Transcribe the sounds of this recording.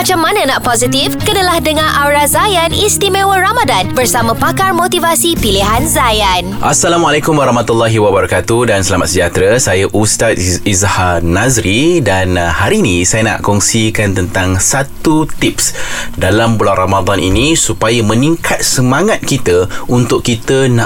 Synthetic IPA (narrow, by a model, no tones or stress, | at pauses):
mat͡ʃamːanə̃naʔpozit̪ifkənəlahdəŋãnʔawɾazajanist̪imẽwəramadanbərsamãpakarmot̪ivasipiliɦanzajanʔasːalamalakʊmwaɾɑhmat̪ulːaɦiwabaɾakat̪udansəlamat̪̚səd͡ʒat̪ɾasajaʔust̪at̪izhanazɾidanhaɾinĩsajana̰ʔkɔŋsikant̪ənt̪aŋsat̪ut̪ip̚sdalambulanramad̪anḭnĩsupajamə̃niŋkʰat̪̚səmaŋat̪̚kit̪əunt̪ʊkkːit̪əna